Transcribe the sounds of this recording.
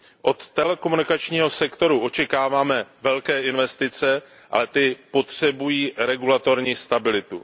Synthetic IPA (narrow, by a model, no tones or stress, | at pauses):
ʔo̞t̪ːɛlɛkomunɪkat͡ʃɲiːɦo̞sɛkt̪o̞ɾuʔo̞t͡ʃɛkaːvaːmɛvɛlkɛːʔɪnvɛst̪ɪt͡sɛ | ʔa̰lɛt̪ɪpo̞t̪r̝̥ɛbujiːɾɛɡulat̪o̞ɾɲiːst̪abɪlɪt̪ṵ